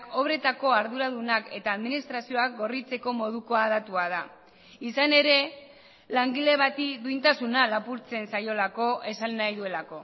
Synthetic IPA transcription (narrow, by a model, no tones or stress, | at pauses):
ko̞β̞ɾe̞t̪ako̞aɾðuɾaðunake̞t̪aːðminist̪ɾasio̞ak̚ɡo̞rit͡se̞ko̞mo̞ð̞uko̞að̞at̪uað̞a | isane̞ɾe̞ | laŋɡile̞βat̪id̪uint̪asunalapuɾt͡se̞nsajo̞lako̞ʔe̞sanːajðue̞lako̞